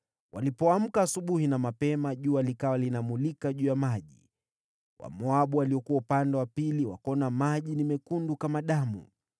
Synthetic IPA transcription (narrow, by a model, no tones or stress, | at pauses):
wʔa̰lipɔam̩kaːsuɓuhinamapɛmaʄualikawalinamulikaʄuːjamaʄi | wʔa̰mɔaɓualiɔkuwaupandɛwapiliwa̰kɔnamaʄinimɛkundukamaɗamṵ